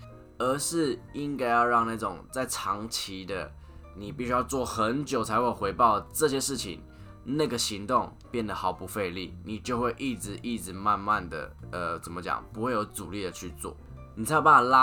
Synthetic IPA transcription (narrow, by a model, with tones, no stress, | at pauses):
ə˧˥ʂɻ̩˥˩i˦˥ŋka˥ɪjɑ˥˧ʊɻɑ˥˧ŋna˥˩ʈ͡ʂʊ˨˩ŋt͡sa˥˩ɪʈ͡ʂʰɑ˧˥ŋt͡ɕʰi˧˥d̪ə̰˧˨ | ni˨˩pi˥˩˧ɕy˥jɑ˥˧ʊt͡swɔ˥˩xə˧˦nt͡ɕjo˨˩ʊt͡sʰa˧˥ɪxwe˥˩ɪxwe˧˥ɪpɑ˥˧ʊʈ͡ʂɤ˥˧ɕjɛ˥ʂɻ̩˥˩t͡ɕʰḭ˨˩ŋ | na˥˩ɡə˩ɕi˧˥ŋt̪ʊ˥˨ŋpjɛ˥˩nd̪ə˩xɑ˨˩ʊpu˧˥fe˥˧ɪli˥˩ni˨˩t͡ɕjo˥˧ʊxwe˥˧ɪʔi˥˩ʈ͡ʂɻ̩˧˥ʔi˥˩ʈ͡ʂɻ̩˧˩ma˥˧nma˥˨nd̪ə̰˩ə˩t͡sə˨˩nmə˦t͡ɕjɑ̰˨˩ŋpu˧˥xwe˥˩ɪjo˧˥ʊt͡su˨˩li˥˩d̪ə˩t͡ɕʰy˥˧t͡swɔ̰˥˩ | ni˨˩t͡sʰa˧˥jpa˥a˨˩la˦